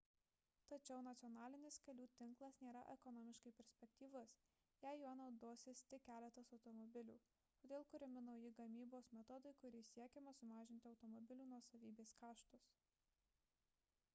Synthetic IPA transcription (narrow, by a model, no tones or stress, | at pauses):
t̪ɐt͡ʃʲɛʊnɐt̪sʲɪɔnɑːlʲɪnʲɪskɐlʲuːt̪ʲɪŋˑklˠɐsnʲeːɾɐ̰ʔɛkɔnɔmʲɪʃkɐɪpʲɛɾʲsʲpʲɛkt̪ʲiːʋʊs | jæɪjuɔnɒʊd̪uɔsʲɪst̪ʲɪkʲæːlʲɛt̪ɐsɒʊt̪ɔmɔbʲɪlʲuː | t̪oːd̪ʲeːlˠkʊɾʲɪmʲɪnɒʊjɪɡɐmʲiːboːsmʲɛt̪ɔd̪ɐɪkʊɾʲɪːsʲiɛkʲɛmɐsʊmɑːʒʲɪnʲt̪ʲɪɐʊt̪ɔmɔbʲɪlʲuːnuɔsɐʋʲiːbʲeːskɑːʃt̪ʊs